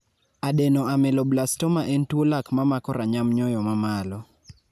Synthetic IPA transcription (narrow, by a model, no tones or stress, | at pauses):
adɛnɔamɛlɔblastɔmaʔɛntwolakmamakɔɾaɲamɲɔjɔmamalɔ